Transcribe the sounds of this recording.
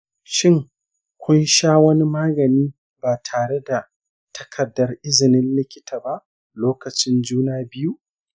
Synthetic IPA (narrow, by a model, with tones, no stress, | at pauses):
ʃɪ˦˨ŋ | kʷʰʊ˦nʃaː˦wɐ˦ni˦maː˦ɡɐ˨niː˦ | baː˨tʰaː˨ɽe˦da˨ | tʰɐ̥˦kʰɐ˨dːɐ˦rʔɪ˦zɪ˨nɪ˦nlɪ˦kʲɪ̥˦taː˨ba˦ʔ | loː˦kɐ˨t͡ʃɪ˦nd͡ʒuː˦naː˦bɪ˦ju˦ʔ